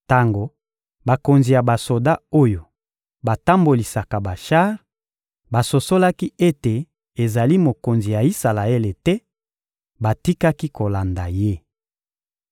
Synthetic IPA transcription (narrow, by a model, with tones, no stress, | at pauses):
ta˦ŋɡo˨ | ba˨ko˨nzi˨ja˨ba˨so˨da˦o˦jo˨ | ba˨ta˦mbo˨li˨sa˨ka˨ba˨ʃa˦ʁ | ba˨so˨so˦la˦ki˦e˦te˨ | e˨za˨li˦mo˨ko˨nzi˨ja˨i˦sa˨la˨e˦le˨tɛ˦ | ba˨ti˦ka˦ki˦ko˨la˨nda˨je˦